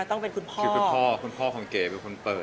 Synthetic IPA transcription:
a˧˩t̪ɔ˥˩ŋpe˧nkʰu˧npʰɔɯː˧˥ku˩˧npʰɔː˥˩kʰu˧npʰɔː˥˩kʰa˧˦mkeː˨˩pe˧nkʰo˧npɤː˨˩t̪̚

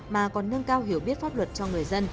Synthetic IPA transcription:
maː˨˩kɔ˨˩nːə˧ŋkaː˧wɦi˧˩əwɓi˦˥ət̚faː˦˥p̚lwə˨˩t̚t͡ɕɔ˧ŋɨ˨˩əjzə˧n

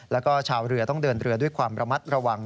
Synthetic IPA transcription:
lɛː˦˥wkɔː˥˩t͡ɕʰaː˧wɾɯ˧ɐt̪ɔ˥˩ŋdɤː˧nɾɯ˧ɐdu˥˩əjkʰwaː˧mɾa˧ma˦˥t̪̚ɾa˧wa˧ŋ

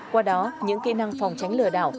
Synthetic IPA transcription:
kwaː˧ɗɔ˨˦ɲɨ̰˧˥ŋkḭ˧˥na˧ŋfa˨˩wŋ͡mt͡ɕa˨˦jŋ̟lɨ̰˧˩əɗa̰ː˧˨w

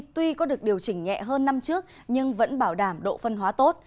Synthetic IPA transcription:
t̪wi˧kɔ˨˦ɗɨ˨˩ək̚ɗi˨˩əwt͡ɕï˧˩ŋ̟ːɛ̰˧˨ɦəː˧nːa˧mt͡ɕɨ˦˥ək̚ | ɲɨ˧ŋvə̰˧˥nɓaː˧˩wɗaː˧˩mɗo̰˧˨fə˧nɦwaː˨˦t̪o˦˥t̚

